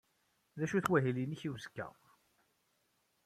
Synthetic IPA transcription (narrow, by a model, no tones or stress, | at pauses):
ðæʃuθwæɦiliniçiwzəkːæ̰